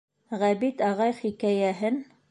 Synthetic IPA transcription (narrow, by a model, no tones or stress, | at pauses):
ʁæbit̪ɑʁɑjχikæjæɦɘn